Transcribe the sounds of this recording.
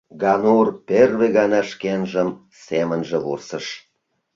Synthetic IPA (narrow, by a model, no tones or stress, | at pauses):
ɡɑnurperβeɣɑnɑʃkenʒəm | semənʒĕβṵrsəʃ